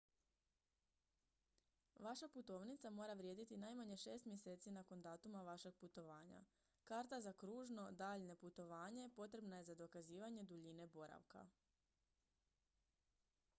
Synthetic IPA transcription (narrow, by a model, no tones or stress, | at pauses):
ʋaʃaput̪o̞ːʋnit̪samo̞ːɾaʋɾje̞d̪it̪inajmaɲe̞ʃe̞ːst̪mje̞se̞ːt̪sinako̞nd̪aːt̪umaʋaʃe̞ɡ̥̚put̪o̞ʋaːɲa̰ | kaːɾt̪azakɾuːʒno̞d̪aːʎne̞put̪o̞ʋaːɲe̞po̞t̪ɾe̞bnaje̞zad̪o̞kaziːʋaɲe̞d̪uʎine̞bo̞ɾa̰ʋka̰